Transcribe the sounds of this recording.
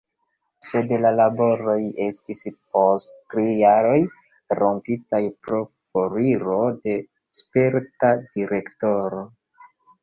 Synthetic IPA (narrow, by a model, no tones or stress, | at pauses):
se̞dlalabo̞ɾo̞je̞stisp̚osttɾijaɾo̞j | ɾo̞mpitajpɾo̞foɾiɾo̞de̞ | spe̞ɾtadiɾe̞ktoɾo̞